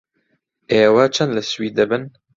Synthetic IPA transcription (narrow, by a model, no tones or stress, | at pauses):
eːwat͡ʃʰɐnd̪lɨswiːd̪ɨbɨn